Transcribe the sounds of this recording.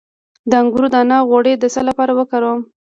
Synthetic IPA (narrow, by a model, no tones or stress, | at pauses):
d̪əaŋɡuɾud̪anɑɣoɽed̪əsalapɑɾawəkaɾom